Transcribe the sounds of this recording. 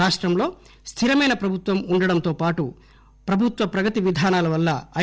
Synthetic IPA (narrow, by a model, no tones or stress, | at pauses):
aːʂʈɾɐmlo̞ː | st̪ʰiɾɐmɐjnɐpɾɐbʱut̪ʋɐmuɳɖɐɽɐnt̪o̞ːpaːʈu | pɾɐbʱut̪ʋɐpɾɐɡɐt̪iʋid̪ʱaːnaːlɐʋɐlːɐɐ